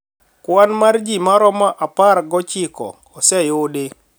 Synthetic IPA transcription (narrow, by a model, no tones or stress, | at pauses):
kwanmard͡ʒimaɾɔmaʔaparɡɔt͡ʃɪkɔ̰ | ɔsɛjode